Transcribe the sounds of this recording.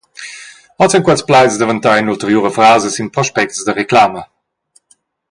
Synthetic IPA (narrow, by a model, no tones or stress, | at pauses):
ɔt͡sɛnkwɛt͡splajsdəvənt̪anultəʁjuːʁəfʁaːzəsinpʁɔʃpɛk̚tsdəʁeklaːmə